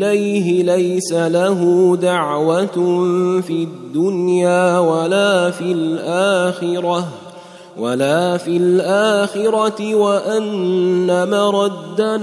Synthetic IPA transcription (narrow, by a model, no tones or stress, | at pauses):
lajɦɪlajsalaɦʊd̪aʕwat̪fiːad̪ːʊnjaːwalaːfilʔaːxɪɾɑ | walaːfilʔaːxɪɾˤɑtɪwaʔanːamaɾˤɑd̪ːan